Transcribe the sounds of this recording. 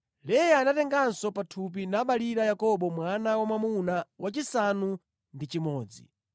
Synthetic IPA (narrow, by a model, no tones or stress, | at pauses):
lɛjaːnatɛŋɡansɔpatʰup̬inaɓaliɾajakɔɓɔmwanawamamunawat͡ʃisanu | ndit͡ʃimɔːd͡zḭ